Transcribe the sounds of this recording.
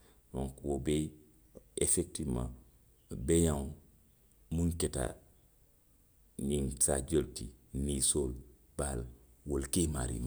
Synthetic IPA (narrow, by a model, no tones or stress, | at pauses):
dõŋkwobe | efek̚timã̰ | bejaŋ | muŋketa̰ | ninsa̰d͡ʒoltinisol | b̥al | wolkema̰ɾḭma